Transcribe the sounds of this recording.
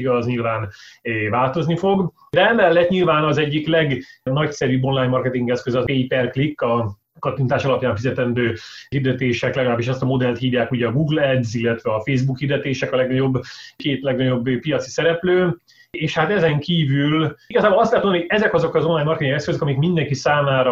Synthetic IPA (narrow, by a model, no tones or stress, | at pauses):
iɡɒzɲilvaːnvaːlt̪o̞znifo̞ɡ | d̪ɛɛmɛlːɛt̪ɲilvaːnɒzɛɟːiklɛɡnɒcsɛɾybːo̞nlaːjɲmɒrkɛt̪iŋɡɛskøzɒzeːipɛrklikːɒ | kɒt̪int̪aːʃɒlɒpjaːɱfizɛt̪ɛnd̪øːhird̪ɛt̪eːʃɛklɛɡɒlaːbiʃɛst̪ɒmo̞d̪ɛlt̪hiːvjaːkuɟɛɒɡuːɡlɛd̪zilːɛt̪ʋɛɒfeːzbukhiːrd̪ɛt̪eːʃɛkɒlɛɡnɒɟo̞bːkeːt̪lɛɡnɒɟo̞bːpijɒt̪si̥sɛɾɛpløː | eːʃhat̪ɛzɛŋkiːvyliɡɒzaːbolɒst̪lɛt̪monnihoɛzɛkɒzo̞kɒzo̞nlaːɲmɒrkɛt̪iŋɡɛskøzøkɒmikmind̪ɛŋkisaːmaːɾɒ